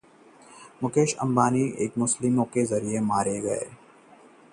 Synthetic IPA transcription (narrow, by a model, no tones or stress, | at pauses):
mʊkeːʃɐ̰̃mbaːnieːkmʊslɪmõkezɐɾiemaːɾeɡɐḛː